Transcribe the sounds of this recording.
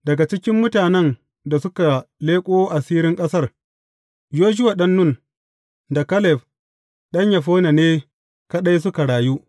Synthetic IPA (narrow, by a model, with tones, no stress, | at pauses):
dɐ˨ɡa˨t͡ʃɪ˦kʲɪ˦mːʊ˦taː˨nɛ˦n | da˨sʊ˦ka˨leː˦kʷʼoː˦ʔa˨siː˦ɾɪ˦ŋkʼɐ˦sɐ˦r | joː˦d͡ʒʊ˦wa˨ɗɐ˦nːʊ˦˨n | da˨kɐ˦lɛ˨ɸ | ɗɐ˦ɲja˨ɸoː˦na˨neː˦ | ka˦ɗa˦js̬ʊ˦ka˨ɽaː˨ju˦ʔ